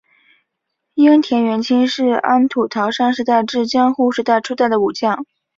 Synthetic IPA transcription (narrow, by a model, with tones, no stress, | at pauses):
i˥ŋt̪ʰjɛ˧˥nɥɛ˧˥nt͡ɕʰi˥nʂɻ̩˥˩a˥nt̪ʰu˨˩t̪ʰɑ˧˥ʊʂɑ˥ŋʂɻ̩˧˥t̪a˥˧ɪʈ͡ʂɻ̩˥˧t͡ɕjɑ˥ŋxu˥˩ʂɻ̩˧˥t̪a˥˩ɪʈ͡ʂʰu˥t̪a˥˩ɪd̪ə˩u˨˩t͡ɕjɑ˥˩ŋ